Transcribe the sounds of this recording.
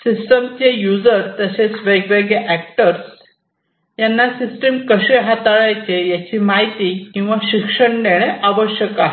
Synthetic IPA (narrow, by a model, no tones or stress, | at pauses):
sisʈəmt͡ɕejud͡zəɾt̪əset͡sʋeɡʋeɡjeʔæk̚ʈəɾs | janːasisʈemkəɕeɦat̪aɭajt͡sejat͡ɕiːmaɦit̪ikĩw̃ʋaɕikʂəɳneɭ̃eʔaʋəɕjəkaɦe